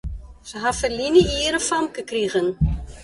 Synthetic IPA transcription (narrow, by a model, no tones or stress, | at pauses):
səɦafərliniiːɾəfɐmkəkriɣən